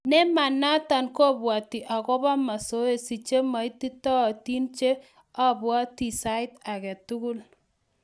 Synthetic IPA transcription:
nɛ˦ma˨na˦ta˨nko˦bwa˨ti˨ʔa˨kɔ˦ba˦ma˨so˦e˦si˨t͡ʃe˦ma˨i˦ti˦tɔ˦˨ti˦nt͡ʃe˦ | a˦bwa˦ti˨sa˦ɪ˦ta˨kɛ˨tu˦kʊ˦l

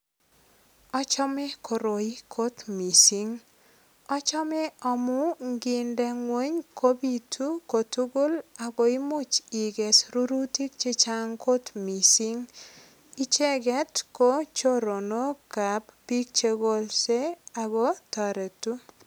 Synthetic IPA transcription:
ɔ˦t͡ʃɔ˦mɛ˦kʰo˨ɾo˨i˦kʰo˦t̪mi˨si˦ŋ | ɔ˦t͡ʃɔ˦mɛ˦ɔ˨mʊ˦ŋɡɪ˨ndɛ˦ŋwo˦ɲkʰo˦bi˨tʰu˦ko˨tu˦ɡʊ˦la˨ɡo˨i˦mʊ˦t͡ʃi˨ɡɛ˨sɾu˦ɾu˦ti˦k̚t͡ʃe˦t͡ʃa˦ŋkʰo˦t̪mi˨si˦ŋ | i˦t͡ʃe˦ɡɛ˦tko˦t͡ʃo˦ɾo˨no˦ka˨ppi˦k̚t͡ʃe˦ɡo˦lse˦a˨ɡo˦ta˨ɾe˨tu˦

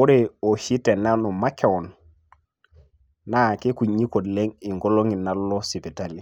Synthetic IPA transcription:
u˦ɾeo˨hi˦te˨na˦nu˨ma˦ke˦wɔ˨n | a˨ke˦ku˨ɲi˦ko˨dle˦ŋi˨ŋɡo˦lo˦ŋi˨na˦lːo˦si˨pi˨ta˨li˨

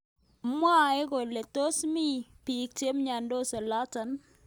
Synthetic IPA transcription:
mwa˦e˦ko˨le˨t̪o˦smi˦pi˨k̚t͡ʃe˦mɲa˨ndo˦sɛ˨la˦ta˨n

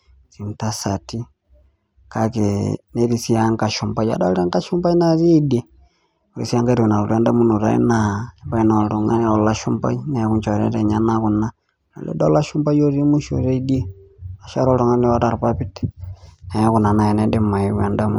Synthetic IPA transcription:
t͡si˨m̩˨ta˦sa˨ti˦ | kakene˦ɾisi˦aŋɡa˨ʃu˨mba˨ja̰˨da˦ɾa˦ŋɡa˦ʃumba˦i˦naɾi˦de˨ | u˨ɾi˨sia˦ŋɡa˦ɾu˨na˨ɾu˨ɾɛ˦nda˦mu˦nu˨ɾa̰˦ḭ˦naumba˦i˦na˨ɾu˨ŋa̰˦n˦o˨la˦ʃu˦mba̰˦ina˨ku˦ɲt͡ʃa˨ɾɛ̰˦ɾe˨ɲa˦naku˨na | na̰˨lɛ̰˦do˦la˦ʃumba˦jo˦ɾi˦mu˦ʃo̰˨ɾe˦idi˦e˦a˨ʃa˦ɾo˦ɾu˨ŋa˦ni˦wa˦ta˨ɾpapi˦tɛ̥na˨jɛku˨na˨na˨jɛ˨nɛde˦ma˨iwɛndamu

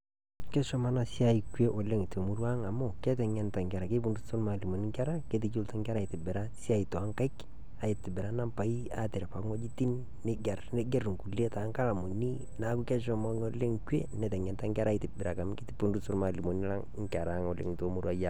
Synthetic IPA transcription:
kɛ˦ʃɔ˦ma˦na˦sɪ˦a˨i˨kwe˦ʔɔ˨le˦ŋ˨to˨mu˦ɾwa˦ŋa˨mo˨kɛ˦tɛ˨ŋɛ˨nta˨ŋkɛ˨ɾa˨ke˦pu˨ndu˦tso˦lma˨li˨mo˨ni˦ŋkɛ˦ɾa˦ke˦t̬ɪ˨˦t͡ʃo˦lta˦ŋkɛ˦ɾa˦˨ɪ˨tɪ˨bɪ˨ɾa˦sɪ˦a˦i˨tɔ˨a˦ŋka˦ɪk | a˨ɪ˨tɪ˨bɪ˨ɾa˦na˦mpa˨i˦a̰˦tɪ˨ɾa˨pa˨ŋɔ˦d͡ʒi˦ti˦n | nɪ˦ɡɛ˨rnɪ˦ɡɛ˦rŋ˨ku˨le˦ta˨˦ŋka˦la˨mo˨ni˦ | na˦ku˦kɛ˦ʃ̬ɔ˦mɔ˦ŋɔ˦le˦ŋkwe˦nɛ˨tɛ˨ŋɛ˨nta˦ŋkɛ˦ɾa˦ɪ˨tɪ˨bɪ˨ɾa˨ka˨mkɪ˦tɪ˦pu˦ndu˦sʊ˦lma˨li˨mo˨n˦la˦ŋŋ˦kɛ˨ɾa˨ŋɔ˨lḛ˨ŋ˨to˨˦mu˦ɾwa˦ja˦

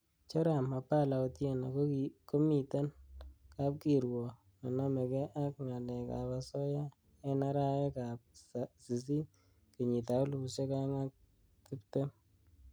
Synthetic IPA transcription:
t͡ʃɔ˦ɾa˨ma˨pa˦la˨ɔ˨tje˦˨na˨ko˦mi˨ta˦nka˦p̚ki˨ɾwɔ˨ | na˨na˦me˨kɛ˦ʔa˦k̚ŋa˨lɛ˨ka̰˨pa˨sɔ˦ja˦ | ɛ˦na˦ɾa˦e˦ka˨p̚si˨s̬i˦ | ke˨ɲi˨ta˨ʊ˦lu˨u˨se˦ka˦ŋa˦k̚ | ti˦pte˦m

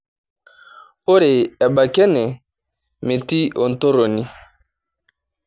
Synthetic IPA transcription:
o˦ɾe˨ɛ˨ba˨kɛ˦nɛ˨ | me˨ti˦o˨n̩˨to˦ɾo˨ni˦

